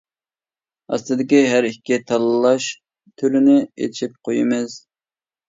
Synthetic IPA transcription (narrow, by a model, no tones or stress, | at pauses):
ɑ̰st̪ɨd̪ɪkʲiɦæɾikʲːit̪ʰɑlˠɨlˠɑʃ | t̪ʰyɾynɪḛt͡ʃʰip̚qʰojɪmɪz